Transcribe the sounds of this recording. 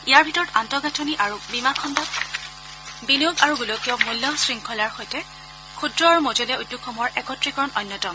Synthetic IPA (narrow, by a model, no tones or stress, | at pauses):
ijaɹbʱitɔɹɔtantɔɡatʰɔniʔaɹubimakʰɔndak | binoɡaɹuɡulokiɔmulːɔsɹiŋkʰɔlaɹxɔjtɛ | kʰudɹɔaɹumozolɛujdːukʰːɔmɔɹɛkɔtɹikɔɹɔnʔɔnːɔtɔm